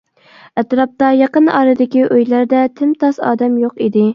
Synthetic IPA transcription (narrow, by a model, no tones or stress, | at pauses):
ɛt̪ɾɑp̚t̪ɑjɑqənɑ̰ːɾɨd̪ɪkʲiʔøjlæɾd̪ɛt̪ʰɪmt̪ʰɑsɑ̰ːd̪ɛmjoqid̪ɪ